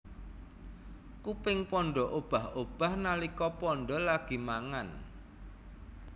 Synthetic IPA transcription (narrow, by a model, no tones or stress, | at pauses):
kupɪŋpɔɳɖɔʔob̥a̤hob̥a̤hnalikɔpɔɳɖɔlaɡ̥i̤maŋan